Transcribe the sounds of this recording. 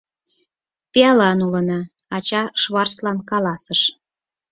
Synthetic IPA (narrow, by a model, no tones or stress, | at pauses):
peɑlɑnulənɑ | ɑt͡ɕɑʃβɑrslɑnkɑlɑsəʃ